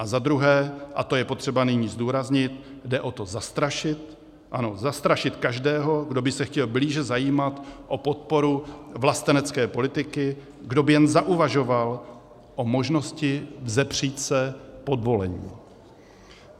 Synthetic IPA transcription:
ʔazad̪ɾuɦɛːʔat̪o̞jɛpot̪r̥ɛbanɪɲiːzduːɾazɲɪt̪dɛʔo̞t̪o̞zast̪ɾaʃɪt̪ | ʔanozast̪ɾaʃɪt̪kaʒdɛːɦo̞ɡdo̞bɪsɛxcɛlbliːʒɛzajiːmat̪ʔopo̞t̪̚po̞ɾuvlast̪ɛnɛt͡skɛːpo̞lɪt̪ɪkɪ | ɡdo̞bɪjɛnzaʔuvaʒo̞val | ʔo̞mo̞ʒno̞scɪvzɛpr̝̥iːt̪sɛpo̞dvo̞lɛɲḭː

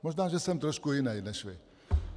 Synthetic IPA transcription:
moʒnaːʒɛsɛmt̪ɾɔʃkujɪnɛjnɛʃʋɪ

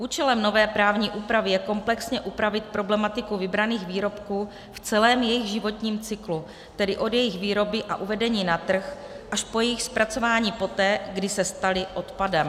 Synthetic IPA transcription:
ʔuːt͡ʃɛlɛmno̞vɛːpɾaːvɲiːʔuːpɾavɪjɛko̞mplɛksɲɛʔupɾavɪt̪̚pɾo̞blɛmat̪ɪkuvɪbɾaniːxviːɾo̞pkuː | ft͡sɛlɛːmjɛjɪɣʒɪvo̞t̪ɲiːmt͡sɪklu | t̪ɛdɪʔo̞d̪jɛjɪxviːɾo̞bɪʔaʔuvɛdɛɲiːnat̪r̩x | ʔaʃpo̞jɛjɪxspɾʔat͡so̞vaːɲiːpo̞t̪ɛːɡdɪsɛst̪alɪʔo̞t̪padɛm

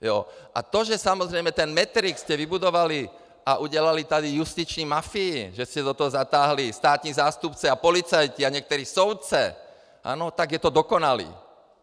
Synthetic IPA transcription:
jɔ̰ʔa̰t̪ɔʒɛsamɔzɾɛjmɛt̪ɛnmɛt̪ɾikscɛʋibud̪ɔʋali | aʔuɟɛlalit̪ad̪ijust̪it͡ʃniːmafiːʒɛscɛd̪ɔt̪ɔɦɔzat̪aːɦlist̪aːt̪ɲiːzaːst̪upt͡sɛapɔlit͡sajciaɲɪɛk̚t̪ɔɾiːsɔʊt͡sɛ̰ | ʔa̰ːnɔt̪aɡjɛt̪ɔd̪ɔkɔnalḭː

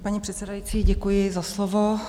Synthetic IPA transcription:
paɲipr̥ɛt̪sɛdajit͡siːɟɛkujɪzaslovo

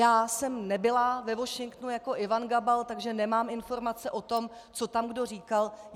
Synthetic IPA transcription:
jaːsɛmnɛbɪlavɛvo̞ʃɪŋkt̪nujako̞ʔɪvanɡabalt̪aɡʒɛnɛmaːmɪnfo̞ɾmat͡sɛʔo̞t̪o̞m | t͡so̞t̪amɡdo̞riːkal

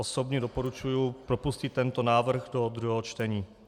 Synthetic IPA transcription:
oso̞bɲɛdo̞po̞ɾut͡ʃujupɾo̞puscit̪ːɛnt̪o̞naːvr̩ɣdo̞d̪ɾuɦɛɦot͡ʃt̪ɛɲiː

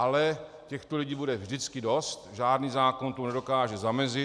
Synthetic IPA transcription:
alɛ | cɛxt̪oliɟiːbudɛvʒdɪt͡skɪdo̞st̪ʒaːdniːzaːkont̪onɛdo̞kaːʒɛzamɛzɪ

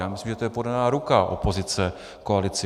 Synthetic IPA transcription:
jaːmɪslimʒɛt̪ojɛpo̞danaːɾukaʔo̰po̞zɪt͡sɛ | koalɪt͡sɪ

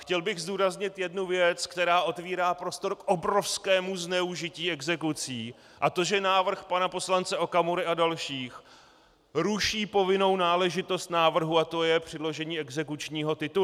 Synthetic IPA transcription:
xcɛlbɪɣzd̪uːɾazɲɪt̪jɛdnuvjɛt͡skt̪ɛɾaːʔo̞t̪viːɾaːpɾo̞st̪o̞ɾkʔobɾo̞fskɛːmuznɛuʒɪciːɛɡzɛkut͡siː | ʔat̪o̞ʒɛnaːvr̩xpanapo̞slant͡sɛʔo̞kamuɾɪʔadalʃiːx | ɾuʃiːpo̞vɪno̞wnaːlɛʒɪt̪o̞st̪naːvr̩ɦuat̪o̞jɛpr̝̥ɪdlo̞ʒɛɲiːɛɡzɛkut͡ʃɲiːɦo̞t̪ɪt̪u

